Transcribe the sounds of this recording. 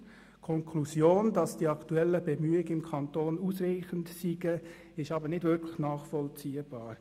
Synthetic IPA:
kʰɔŋkʰlusjoːndɑsd̥iɑktuɛləbɛmyːɪɡəɪmkʰɑntoːnusriːχəntsiɡə | ɪʃɑbəɾnɪdvɪɾkʰləχnɑːχfɔlt͡siːəb̥ɑːɾ

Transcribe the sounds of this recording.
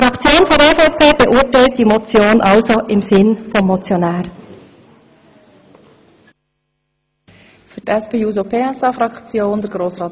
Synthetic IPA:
ifʁɑkt͡sjoːnfɔdeːfɔʊpʰeːb̥əʔʊtaɪlt̚d̥iːmot͡sjoːnʔɑlzoʔɪmzɪnfɔmːot͡sjonɛːɾ | fydɛspeːuːzopʰeːɛsɑfɾɑkt͡sjoːnd̥ɛɡ̥ʁoːsʁɑː

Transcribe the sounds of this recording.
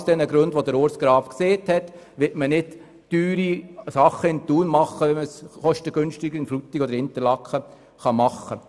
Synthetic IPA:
sd̥ɛnəɡɾøndʋodəɾoːɾsɡ̥ɾɑːfkseːthɛt | ʋɪtmənɪd̥ː | yːɾisɑχːəɪnt̪uːnmɑχːəʋɛməsχɔʃtəɡønʃtɪɡ̥əɾɪnflut̪ːɪkod̪əɾɪnt̪əɾlɑkχə | χɑmɑχːə

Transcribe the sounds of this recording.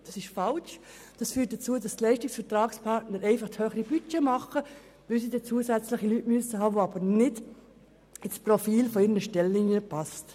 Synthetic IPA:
d̥ɑsɪʃfɑlʃ | d̥ɑsfyːt̚d̥ət͡suədɑstlɛɪʃtɪksfəɾtɾɑːkspʰɑɾtnəɾɛɪfɑχthøːχəɾib̥yt͡ʃɛmɑχə | ʋɪlsidɛt͡suəsæt͡slɪχilytmyəsəɦɑːʋoɑbənɪd̥ | ɪt͡sprofiːlfɔɪɾnəʃtɛlːinjəpɑst

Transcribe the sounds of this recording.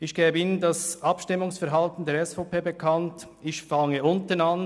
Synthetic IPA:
ɪçɡ̥ɛːbəiːnəndɑsɑpʃtɪmʊŋsfɛɾɦɑltn̩deːɐɾɛsfopʰeːbekʰɑnt | ɪçfɑŋəʊntənan

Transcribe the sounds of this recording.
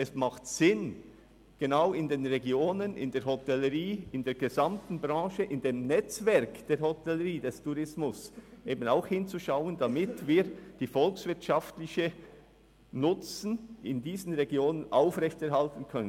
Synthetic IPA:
ɛsmaχtsɪn | ɡ̥enaʊɪndeːnʁeɡjoːnənɪ̰ndeːɐɾɦɔtɛləʁiːɪndeːɾɡ̥ezamtn̩bʁɑ̃ːʃəʔɪndeːmnɛt͡svɛɾkd̥eːɾhɔtɛləɾiːdɛstʰuɾɪsmʊsʔeːbənaʊxhɪnt͡suʃaʊənd̥amɪtviːɾd̥iːfɔlksvɪɐtʃaftlɪçə | nʊt͡sn̩ɪndiːzən̩ʁeɛɡjoːnənʔaʊfʁɛçtɛɾhaltən̩kʰœnən

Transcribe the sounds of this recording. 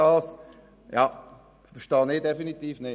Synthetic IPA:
ɑːs | jɑ | fəʃtɑːnɪːdefinit̪iːfnɪ

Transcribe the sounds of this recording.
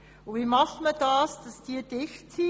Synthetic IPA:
ʊviːmɑχməd̥ɑːsd̥ɑsd̥iːəd̥ɪxt͡si

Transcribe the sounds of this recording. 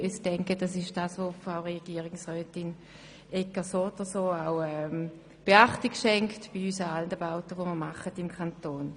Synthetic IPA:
ystɛŋkətdasɪʃd̥aːsʋofʁaʊʁeɡ̥iːʁɪŋsʁœːtɪn | ɛkəsoːdəsoːaʊɛm | b̥eaχtiɡʃɛŋktb̥iysəalndəbaʊtəʋoməɐmaχətɪmkʰantoːn

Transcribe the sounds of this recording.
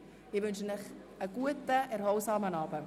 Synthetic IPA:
ivɵnʃənəχ | əɡuətəʔærɦɔlsɑːmənɑːbə

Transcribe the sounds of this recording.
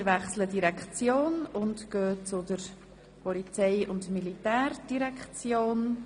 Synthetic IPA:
ɾʋɛχslədiɾɛkt͡sjoːnʊntɡ̥øːt͡sʊdəɾ | pɔlit͡sɛɪʊndmilitæːɾd̥iɾɛkt͡sjoːn

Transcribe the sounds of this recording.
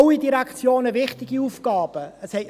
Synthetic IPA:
widiɾɛkt͡sjoːnəvɪχtɪɡ̥iuːfkɑːb̥əəshɛ

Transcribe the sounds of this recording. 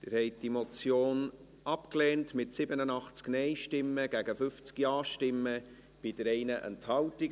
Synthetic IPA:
d̥ɪɾhɛɪt̚d̥imot͡sjoːn | ʔɑpklɛːntmɪtsɪbənənɑχt͡sknɛɪʃtɪmːəɡ̥æɡəfʏft͡skjɑːʃtɪmːə | b̥id̥əɾɛɪnəʔɛ̰nthɑlti

